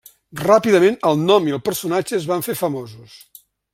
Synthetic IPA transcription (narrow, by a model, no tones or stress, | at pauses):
rapiðəmenəlˠnɔmiəlˠpəɾsunad͡ʒəːzβaɱfefəmozus